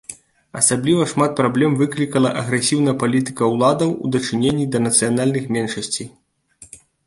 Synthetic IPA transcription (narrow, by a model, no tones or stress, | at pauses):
ɐsablʲivɐʂmat̪̚pɾablʲɛmvɨklʲikɐlˠɐʔɐɣɾɛsʲiwn̪ɐjpalʲit̪ɨ̥kɐwlˠad̪ɐwṵd̪ɐt͡ʂɨnʲenʲːid̪ɐnɐt̪sɨjanalʲnɨxmʲɛnʂɐsʲt͡sʲi